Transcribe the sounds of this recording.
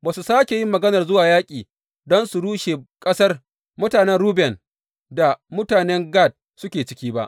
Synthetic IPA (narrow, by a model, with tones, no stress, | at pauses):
baː˨su˨saː˦kʲe˨ji˦mːɐ˨ɡɐ˦nɐ˨rzʊ˦waː˨jaː˦kʲʼiː˨ | dɔ˦nsu˨ɽuː˦ʃe˨kʼɐ˦sɐ˦r | mʊ˦taː˨nɛ˦nɽuː˦bɛ˨n | da˨mʊ˦taː˨nɛ˦ŋɡa˦˨d̚ | sʊ˦kʲeː˨t͡ʃɪ̥˦kʲiː˦ba̰˦ʔ